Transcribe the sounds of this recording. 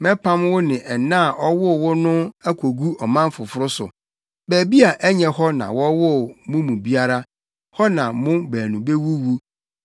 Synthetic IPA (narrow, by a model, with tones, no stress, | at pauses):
mɛ̃˦pʰã˦mwʊ˦nɪ̃˨ʔɛ˨nã˦˨ʔɔ˦wʊ˦˨wʊ˦nʊ̃˦æ˦kʷʰo˨ɡu˦ɔ˨mã˦m˦fʊ˨fʊ˦ɾʊ˦sʊ̰˨ | bæː˨bi˦a˨ʔɛ˦ɲɛ̃˨ɦɔ˦nã̰˨wɔ˦wʊ˦˨mʊ̃˦mũ˨bi˦a˦ɾa˦ | hɔ˦nã˨mʊ̃˦bæː˨nũ˨be˦wu˦wu˦